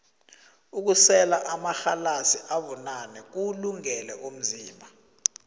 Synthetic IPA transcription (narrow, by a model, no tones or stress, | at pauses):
uk̬usɛlaʔamaxalasiʔaɓɔnanɛk̬uluŋɛlɛʔum̩ziːmbʱa